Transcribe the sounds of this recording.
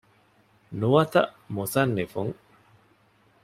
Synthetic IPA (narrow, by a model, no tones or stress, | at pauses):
nuʋɐt̪ɐ̰ʔ | musɐnːefuŋ